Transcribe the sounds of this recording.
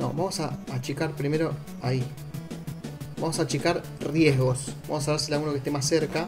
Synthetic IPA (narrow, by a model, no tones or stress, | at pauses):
no̰βamo̞saːt͡ʃikaɾpɾimeɾo̞ | ai | bamo̞sat͡ʃikaɾ | rjeɦɣo̞sbamos̬aðaɾs̬elalɣunokeht̪emasːe̞ɾka